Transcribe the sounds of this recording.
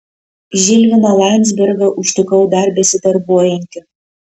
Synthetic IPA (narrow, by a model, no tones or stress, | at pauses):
ʒʲɪlʲʋʲɪnɐlˠɑnʲzʲbʲɛɾɡɐʔʊʃt̪ʊkɐʊd̪ɐɾbʲɛsʲɪt̪ɐɾbuɔjɪŋʲkʲɪ